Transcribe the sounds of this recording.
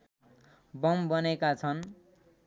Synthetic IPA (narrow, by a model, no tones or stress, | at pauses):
bʌmbʌnekat͡sʰʌn